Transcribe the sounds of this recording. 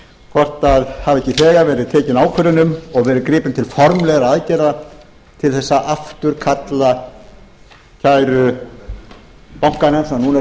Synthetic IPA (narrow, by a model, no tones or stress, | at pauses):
kʰɔr̥t̪aðhavɛhcɪθɛːɣaɾvɛːɾɪðt̪ʰɛːcɪnaːwkʰʏɾʏnʏmɔɣvɛːɾɪðkɾɪːpɪnt̪ʰɪlfɔɾmlɛɣɾaaðcɛra | t̪ʰɪlθɛsːaʔaft̪ʏɾkʰat̪la | cʰaːjɾʏ | pawŋ̥kanɛnsanuːna